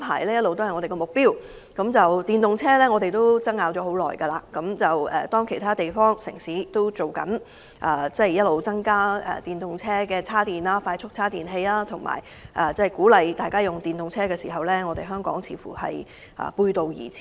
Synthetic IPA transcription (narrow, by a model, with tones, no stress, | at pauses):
pʰa̰ː˨˩jlɛː˥jɐ˥t̚lo˨wt̪o˥whɐ˨jŋɔː˨˧te˨kɔː˧mʊ˨k̚piː˥w | kɐ˨˥mt͡sɐ˨wt̪iː˨˩nt̪ʊ˨ŋt͡sʰɛː˥lɛː˥ŋɔː˨˧t̪e˨˩jt̪o˥wt͡sɐ˥ŋːaː˨˧wt͡ɕɔː˨˥ho˨˥wlɔ̰ː˨˩jkɐ˧laː˧˩kɐ˨˥mt͡sɐ˨wɛ̰ː˨t̪ɔː˥ŋkʰe˨˩jt̪ʰaː˥t̪e˨jfɔː˥ŋsɪ̰˨˩ŋsiː˨˥t̪o˥wt͡so˨wkɐ̰˨˥n | ʔɐː˨˩t͡sɐ˥jɐ˥t̚lo˨wt͡sɐ˥ŋkaː˥ɛ̰ː˨t̪iː˨˩nt̪ʊ˨ŋt͡sʰɛː˥kɛː˧t͡sʰaː˥t̪iː˨˩naː˧˥faː˧jt͡ʃʰʊ˥k̚t͡sʰaː˥t̪iː˨nɦe˧jlaː˥t̪ʰʊ˨˩ŋma̰ː˨˩j | ʔɐː˨˩t͡sɐ˥˨jkuː˨˥lɐ˨jt̪aː˨jkaː˥jʊ˨ŋt̪iː˨˩nt̪ʊ˨ŋt͡sʰɛː˥kɛː˧siː˨˩ɦɐ˨wlɛː˥ŋɔː˨˧t̪e˨jɦœː˥ŋkɔ̰ː˨˥ŋt͡sʰḭː˨˥fṵː˨˩hɐ̰˨j | ʔɐ̰ː˨˩puː˧jt̪o˨wjḭː˨˩t͡sʰː